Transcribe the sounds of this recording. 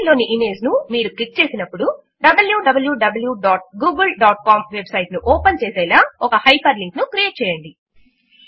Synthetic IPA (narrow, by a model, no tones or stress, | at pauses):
lo̞ːniʔime̞ːznumiːɾuklik̚t͡ʃe̞ːsinɐpːuɽu | ɖɐbɐljuːɖɐbɐljuːɖɐbɐljuɖaːʈ̚ɡuːɡulɖaːʈ̚kaːmʋebsɐjʈnuʔɔːpɐnt͡ʃeːsɛːlaːɔkɐhɐjpʰɐɾliŋknukɾijeːʈ̚t͡ʃɛːjɐɳɖi